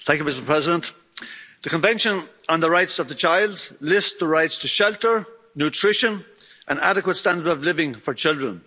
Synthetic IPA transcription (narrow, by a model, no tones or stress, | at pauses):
θæ̃ŋkjumɪstə˞pʰɹ̥ɛzɪdə̃nʔ | ðəkʰə̃ɱvɛ̃nʃə̃nə̃nðəɹaɪtsʌvðət͡ʃʰaɪlˠdlɪstðəɹaɪtstʰəʃɛlˠtə˞ | njʉtʰɹ̥ɪʃə̃n | ʔə̃na̰ɾɨkwətstæ̃ndə˞dʌvlɪvɪ̃ŋfə˞t͡ʃʰɪlˠdɹə̃n